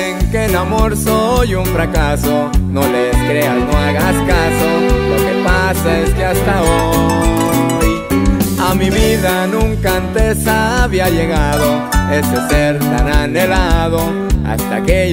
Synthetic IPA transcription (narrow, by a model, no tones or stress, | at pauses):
ŋke̞namo̞ɾsojuɱfɾakaso̞no̞leskɾe̞asno̞aɣaskasoloke̞pasaestast̪ao | j | amiβiðanũŋkant̪e̞saβiaʝe̞ɣaðo̞ | e̞sese̞ɾt̪anane̞laðo̞ | a̰st̪a̰ke